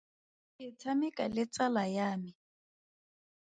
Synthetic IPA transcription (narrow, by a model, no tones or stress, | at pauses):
kɪt͡sʰamɪkʼalɪt͡salajaːmɪ